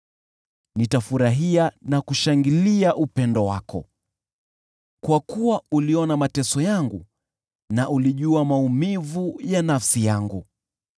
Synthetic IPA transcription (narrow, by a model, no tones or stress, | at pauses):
nitafuɾaɦianakuʃaŋɡiliaʔupɛndɔwakʰɔ | kwakuwauliɔnamatɛsɔjaŋɡu | naʔuliʄuamaumivujanafsijaŋɡu